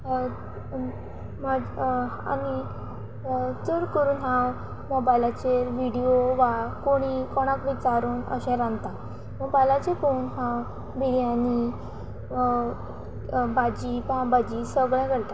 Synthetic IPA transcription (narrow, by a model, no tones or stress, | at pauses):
maa̰ni | t͡səɾkəɾuːnɦãw | mɔbajlat͡ɕeɾʋiɽioʋakoɽ̃ikɔɽ̃akʋit͡ɕaɾuːnə̰ɕɛ̃ɾãnt̪a | mɔbajlat͡ɕekouːnɦãw | biɾiani | bad͡ʑipaãbad͡ʑiːsəɡɭjãɡəɽt̪a